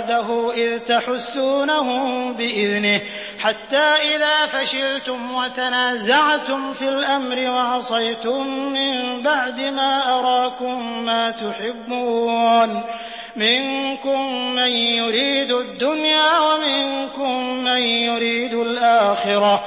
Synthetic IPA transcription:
d̪aɦʊːʔɪðt̪aħʊsːuːnaɦʊmbɪʔɪðnɪh | ħat̪ːaːʔɪðaːfaʃɪlt̪ʊmwat̪anaːzaʕt̪ʊmfilʔamɾɪwɑʕɑsˤɑjt̪ʊmːɪmbaʕd̪ɪmaːʔɑɾˤɑːkʊmːaːt̪ʊħɪbːuːn | mɪŋkʊmːanjʊɾiːd̪ʊd̪ːʊnjaːwamɪŋkʊmːanjʊɾiːd̪ʊlʔaːxɪɾa

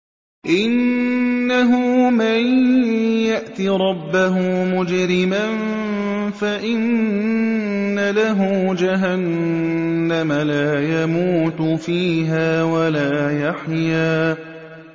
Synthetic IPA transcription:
ʔɪnː | aɦʊmaj | jaʔt̪iɾˤɑbːaɦʊmʊd͡ʒɾɪman | faʔɪn | alaɦʊd͡ʒaɦanː | amalaːjamuːt̪ʊfiːɦaːwalaːjaħjaː

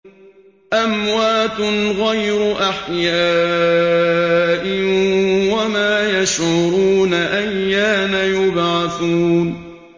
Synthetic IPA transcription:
ʔamwaːt̪ʊnɣajɾʊʔaħjaː | ʔɪ | wamaːjaʃʕʊɾuːnaʔajːaːnajʊbʕɑθuːn

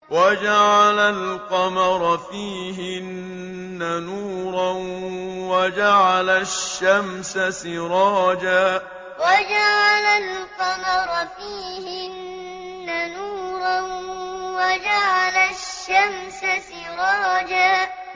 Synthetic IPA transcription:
wad͡ʒaʕalalqɑmɑɾˤfiː | ɦɪnː | anuːɾˤɑnwad͡ʒaʕalaʃːamsasɪɾɑːd͡ʒaː | wad͡ʒaʕalalqɑmɑɾˤfiːhɪnː | anuːɾˤɑnwad͡ʒaʕalaʃːamsasɪɾɑːd͡ʒaː

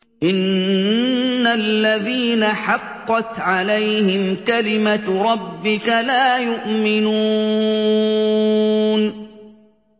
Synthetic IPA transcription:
ʔɪn | alːaðiːnaħɑqːɑt̪ʕalajhɪmkalɪmaɾˤɑbːɪkalaːjʊʔmɪnu | n

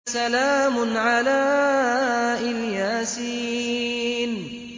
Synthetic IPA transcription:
salaːmʊnʕalaː | ʔɪljaːsiː | n

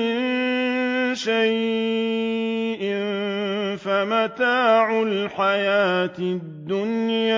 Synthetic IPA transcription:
ɪn | ʃaj | ʔɪn | famat̪aːʕʊlħajaːt̪d̪ːʊnja

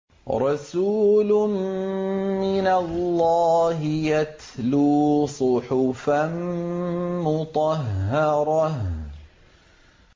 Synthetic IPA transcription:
ɾˤɑsuːlʊn | mɪnalːɑːɦɪjat̪ | luːsˤʊħʊfan | mʊt̪ˤɑɦːɑɾˤɑh

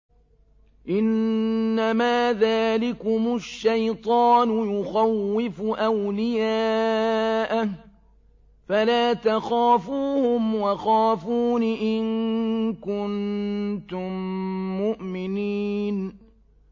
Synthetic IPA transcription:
ʔɪnːamaːðaːlɪkʊmʊʃːajt̪ˤɑːnʊjʊxawːɪfʊʔawlɪjaː | ʔa | falaːt̪axaːfuːhʊmwaxaːfuːnɪʔɪnkʊnt̪ʊmːʊʔmɪniːn

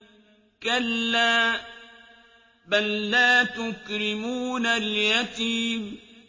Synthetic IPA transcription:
kalːaː | balːaːt̪ʊkɾɪmuːnaljat̪iːm

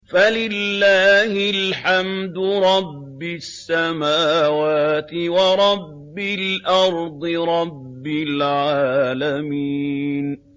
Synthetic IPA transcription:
falɪlːaːhɪlħamd̪ʊɾˤɑbːɪsːamaːwaːt̪ɪwɑɾˤɑbːɪlʔɑɾˤd̪ˤɨɾˤɑbːɪlʕaːlamiːn

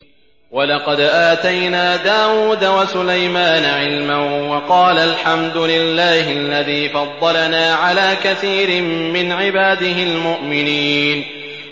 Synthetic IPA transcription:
wɑlɑqɑd̪ʔaːt̪ajnaːd̪aːwuːd̪awasʊlajmaːnaʕɪlmanwɑqɑːlalħamd̪ʊlɪlːaːhɪalːaðiːfɑd̪ˤːɑlanaːʕalaːkaθiːɾɪmːɪnʕɪbaːd̪ɪɦɪlmʊʔmɪniːn

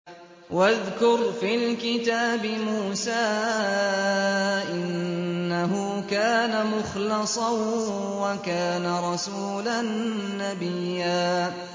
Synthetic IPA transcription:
waðkʊɾfiːlkɪt̪aːbɪmuːsaː | ʔɪnːaɦʊ | kaːnamʊxlɪsˤɑ | wakaːnaɾˤɑsuːlanːabɪjːaː

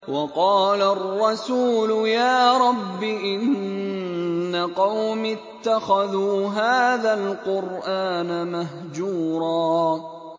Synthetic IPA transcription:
wɑqɑːlarˤːɑsuːlʊjaːɾˤɑbːɪʔɪn | aqɑwmɪt̪ːaxaðuːɦaːðalqʊɾʔaːnamaɦ | d͡ʒuːɾˤɑː

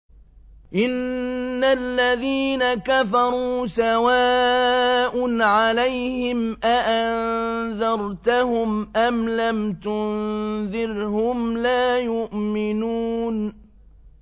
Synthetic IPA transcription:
ʔɪnːalːaðiːnakafɑɾˤuːsawaː | ʔʊnʕalajhɪmʔaʔanðɑɾˤt̪ahʊmʔamlamt̪ʊnnðɪɾhʊmlaːjʊʔmɪnuːn

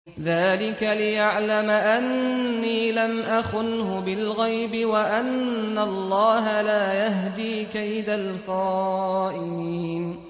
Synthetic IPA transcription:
ðaːlɪkalɪjaʕlamaʔanːiːlamʔaxʊnhʊbɪlɣajbɪwaʔanːalˤːɑːɦalaːjaɦd̪iːkajd̪alxaːʔɪniːn

